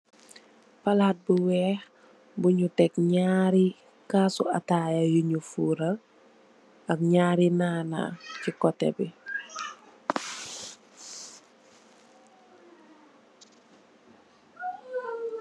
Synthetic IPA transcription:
palaːt̚buwɛːh | buɲutɛkɲaːɾi | kaːsuatajajuɲufuːɾa | ɐk̚ɲaːɾinaːna̰cikɔtːɛ̰bi

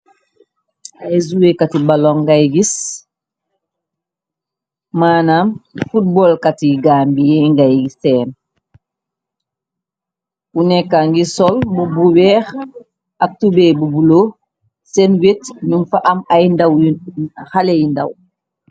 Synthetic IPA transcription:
ajzuwekatibalɔŋɡajɡis | maːnamfut̚bɔlkatiɡaːmbijɛŋɡajɡisɛn | unɛkːaŋɡisɔlbubuwɛːx | ak̚tubebubulo | sɛnwetnuŋfaʔamajndaw | halejinda̰w

